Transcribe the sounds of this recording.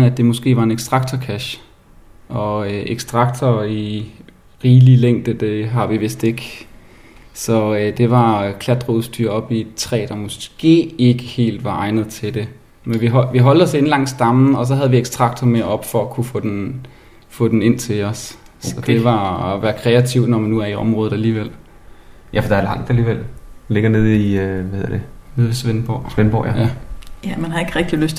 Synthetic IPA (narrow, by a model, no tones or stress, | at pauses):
æd̥e̝mɔ̽sɡ̥e̝̰ːʋɑ̈e̝neɡ̥sd̥ʁɑ̈ɡ̥̚t͡sʰɐkʰæɕ | ɒ̽ʔeɡ̥sd̥ʁɑ̈ɡ̥̚t͡sʰɐi | ʁiːlileŋ̰d̥əd̥e̝ɦɑ̈ʋiʋe̝sd̥e̝ɡ̥ | sɒ̽d̥e̝ʋɑ̈kʰlæd̥ʁouðˠsd̥y̰ɐ̰ɒ̽b̥it͡sʰʁɛ̰ːd̥ɑ̈mɔsɡ̥e̝̰ːe̝ɡ̥əhe̝̰ːld̥ʋɑ̈ʔɑ̈ɪnð̞̩ˠt͡sʰe̝d̥e̝ | menʋiɦʋiɦɒ̽ld̥ɒ̽se̝nlɑ̈ŋ̰̥sd̥ɑ̈mn̩ɒ̽s̬ɒ̽ɦæðˠʋieɡ̥sd̥ʁɑ̈ɡ̥̚d̥ɐme̝ɐɒ̽b̥fɒ̽ækʰufɔ̰̽ːd̥en | fɔ̰ːd̥ene̝n̰t͡sʰe̝lɒ̽s | sɒd̥e̝ʋɑ̈ɒʋæːɐkʰʁɛæt͡sʰiʊ̰̥nɒmænːuæɐiɒ̽mʁɔ̽ːð̩ˠæliːʋel̰ | jʔæfɒd̥ɑɐlɑ̈ŋ̰d̥æliːʋel̰le̝ɡ̥ɐne̝ð̞̰ˠiʋæhe̝ð̰ˠɐd̥ene̝ð̞̰ˠʋesʋenb̥ɒ̰sʋenb̥ɒ̰jææjæmænɦɑ̈e̝ɡ̥əʁɛɡ̥̚d̥iløst͡sʰ